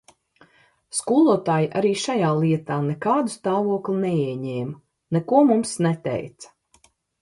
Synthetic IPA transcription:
skuːlˠuɔt̪aːjiʔa̰ɾiːʃajaːlˠiɛt̪aːnɛkaːd̪ust̪aːvuɔklˠinɛiɛɲɛːmɐ | nɛkuɔmumsnɛt̪ɛ̰jt̪sɐ̥

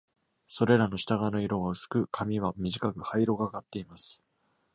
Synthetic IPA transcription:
so̞ɾe̞ɾano̞ɕi̥t̪aɡano̞iɾo̞ɡaɯ̟sɨ̥kɯ̟kʰamʲiβ̞amʲiʑikakɯ̟haiɾo̞ɡaɡat̪ːe̞imasɨ̥

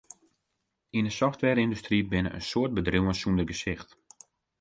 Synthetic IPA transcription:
indəsɔftʋɛɾɪndustribɪnə̰ʔə̰nsoərt̚bədruwənsundəɡəsɪxt

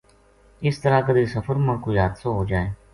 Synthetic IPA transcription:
ɪst̪əɾakəd̪eːsəfəɾmə̃koːjaːd̪soːɦoːd͡ʒaːeː

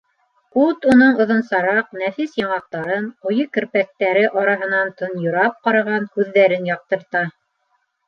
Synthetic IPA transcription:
ut̪unoɴŏðɤ̆nsɑɾɑqnæfisjɑɴɑq̚t̪ɑɾɤnqŏjɤkɵ̆ɾpæk̚t̪æɾɘʔɑɾɑɦɤ̆nɑnt̪ɤ̆njŏɾɑp̚qɑɾɑʁɑnhʉðːæɾɘnjɑq̚t̪ɤ̆ɾt̪ɑ

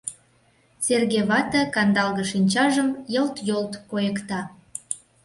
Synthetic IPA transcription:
serɣeβɑt̪əkɑnd̪ɑlɣəʃinʲt͡ɕɑʒəmjəlt̪jolt̪kojəkt̪ɑ

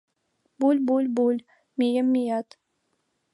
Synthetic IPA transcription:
bulʲbulʲbulʲ | mʲejəmːijat̪

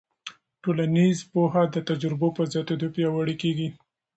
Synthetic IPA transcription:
ʈolanizpoɦad̪ət̪ad͡ʒɾɪbopəzat̪od̪opjawaɽikeɡi

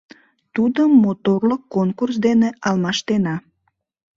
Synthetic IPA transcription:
t̪ud̪əmːot̪orləkːonkurs̬d̪eneɑlmɑʃt̪enɑ

